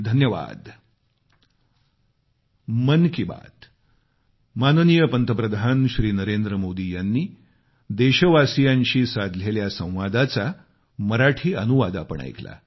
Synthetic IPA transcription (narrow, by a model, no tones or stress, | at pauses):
d̪ʱənjəʋa̰d̪ | mənkiba̰t̪ | mannijəpənt̪əpɾəd̪ʱanɕɾiːnəɾend̪ɾəmod̪iːjanːiː | d̪eɕəʋasijãɲɕiːsad̪ʱleljasə̰̃w̃ʋad̪at͡sa | məɾaʈʰiːənuʋad̪a̰pə̰ɳa̰jkla̰